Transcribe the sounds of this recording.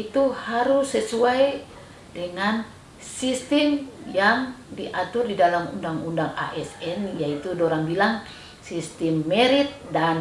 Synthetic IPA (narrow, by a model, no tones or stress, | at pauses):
it̪uhaɾusɛsuaj | dɛŋan | sist̪imjaŋdiʔat̪urdidalamṵndaŋundaŋa̰ʔɛsɛnjait̪udɔɾaŋbilaŋ | sist̪imːɛɾit̪̚dan